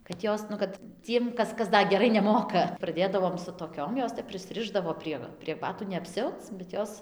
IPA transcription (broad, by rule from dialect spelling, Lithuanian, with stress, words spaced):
kɐt ˈjoːs nʊ ˈkɐt ˈt͡sʲiɛm ˈkɐs ˈkɐs ˈdɐ ɡʲɛˈrɐɪ nʲɛˈmoːkɐ prɐˈdʲeːdɐʋoːm sʊ toːˈkʲoːm ˈjoːs ˈtʲɛp pʲrʲɪsʲˈrʲɪʒdɐʋoː pʲrʲiɛ pʲrʲiɛ ˈbɑːtuː nʲɛ ɐpʲˈsʲɛʊt͡s bʲɛt ˈjoːs